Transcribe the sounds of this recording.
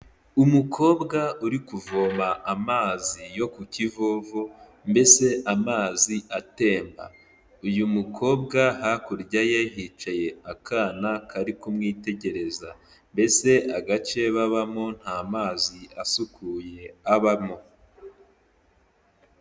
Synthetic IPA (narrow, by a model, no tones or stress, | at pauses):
umukʰo̞ːbɡauɾikuvoːmaʔamaːzijo̞kucivoːvo | mbe̞se̞ʔamaːziate̞ːmba̰ | ujumukʰo̞ːbɡahakuɾɟajahit͡ʃaje̞akaːnakaɾikumŋiːte̞ɟe̞ɾe̞za | mbe̞se̞ʔaɡat͡ʃe̞βaβamo̞n̥haːmaːziʔasukʰuːje̞aβamo̞